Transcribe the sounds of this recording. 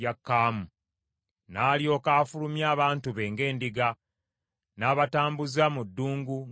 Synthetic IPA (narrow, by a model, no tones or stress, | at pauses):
akːaːmu | naːljo̞ːkaːfulumjaːβaːntuβe̞ːŋɡe̞ːndiɡa | naːβataːmbuzamudːuːŋɡu